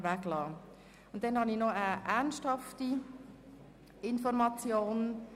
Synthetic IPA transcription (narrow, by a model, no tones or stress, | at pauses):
væklɑː | ʊnt̚d̥ɛnhɑninɔəʔæʁnsthɑfti | ɪnfɔɾmɑt͡sjoːn